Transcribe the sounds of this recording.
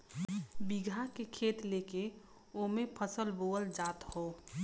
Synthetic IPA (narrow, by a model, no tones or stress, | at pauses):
biɡʱakekʰeːt̪leːke | omẽpʰəsəlboːəld͡ʒaːt̪hoː